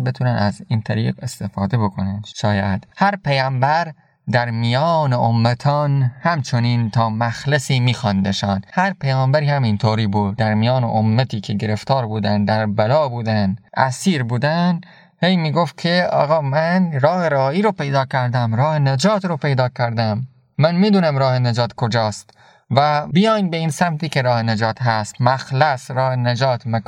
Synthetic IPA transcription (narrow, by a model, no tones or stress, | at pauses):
be̞t̪ʰunænæziːnt̪ʰæɾiːqe̞st̪e̞fɒːd̪ebo̞kʰo̞nænʃɒːjæd̪̥hæɾpejæːmbæɾ | d̪æɾmijɒːneʔomːæt̪ʰɒːnhæmt͡ʃʰoniːnt̪ʰɒːmæxlesiːmiːxɒnd̪eʃɒːnhæɾpʰejɒːmbæɾiːhæmint̪ʰoːɾiːbud̪ːæɾmijɒːnḛʔomːæt̪ʰiːkʰe̞ɡe̞ɾe̞ft̪ʰɒːɾbuːd̪ænd̪d̪æɾbælɒːbuːd̪ænʔæ̰siːɾbuːd̪æn | hejmiːɡoft̪̚kʰeɒ̰ːɣɒːmænɾɒːheɾɒːiːɾopejd̪ɒːkʰæɾd̪æmɾɒːhened͡ʒɒːt̪ɾope̞jd̪ɒːkʰæɾd̪æmː | ænmiːd̪uːnæmɾɒːhened͡ʒɒːt̪kʰod͡ʒɒːst̪ | væbijɒːjnbeiːnsæmt̪iːkeɾɒːhened͡ʒɒːt̪ɦæst̪mæxlæsɾɒːhened͡ʒɒːt̪ʰmek